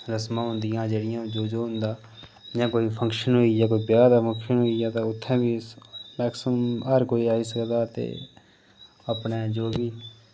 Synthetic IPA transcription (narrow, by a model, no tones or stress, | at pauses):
ɾəsmãːɦʊ̃nd̪ɪjãːd͡ʒeːɽɪjãːd͡ʒoːd͡ʒoːɦʊ̃nd̪aː | d͡ʒãːkoːiːpʰə̃ŋkʃənɦoːiːd͡ʒãːkoːiːbjaːd̪aːpʰə̃ŋkʃənɦoːijãːt̪ãʊt̪ʰːɛ̃ːbiːmɛːksəmmɦəɾkoːiːaːɦiːsəkd̪aːt̪ḛː | əpnɛːd͡ʒoːɡiː